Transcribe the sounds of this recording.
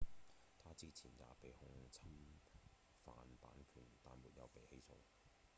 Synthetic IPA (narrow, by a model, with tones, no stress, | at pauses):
t̪ʰaː˥t͡siː˥t͡sʰiː˨˩nja̰ː˨˧pe˨jhʊ˧˥ŋt͡sʰɐ˥m | fa̰ː˨npa̰ː˨˥nkʰyː˨˩nt̪aː˨˧nmuː˨t̚jɐ̰˨˧wpe˨jhe˨˥jsʰʊ̰˧ŋ